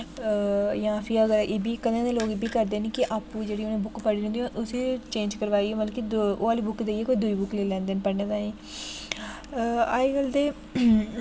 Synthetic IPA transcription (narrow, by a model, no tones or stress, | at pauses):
jãːpʰɪɾəɡəɾeːbiːkəd̪ẽːneːloːɡebiːkəɾd̪eːnikɪʔaːpũːd͡ʒeːɽiːʊnẽːbʊkpəɽiːẽnd̪iõːʔʊsiːt͡ʃẽːnd͡ʒkəɾʋaːiːõmət̪ləkioːaːliːbʊkːd̪eːieːkoːiːd̪ʊiːbʊkleːlɛ̃ːnd̪eːnpəɽneːd̪ãːẽː | aːiɡəld̪eː